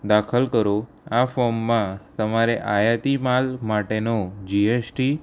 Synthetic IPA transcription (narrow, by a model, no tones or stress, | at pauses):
d̪akʰəlkəɾo | afɔmːãt̪əmaɾeʔajat̪imalmaʈenod͡ʒiesʈi